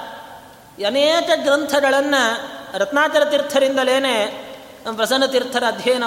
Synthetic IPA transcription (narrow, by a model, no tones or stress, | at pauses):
ɐneːt͡ʃɐɡɾɐnt̪ʰɐɡɐɭɐnːɐɾɐt̪naːt͡ʃɐɾɐt̪iɾt̪ʰːɐɾind̪ɐleːneː | pɾɐsɐnːɐt̪iɾt̪ʰːɐɾɐːd̪ʱjɐjɐnɐ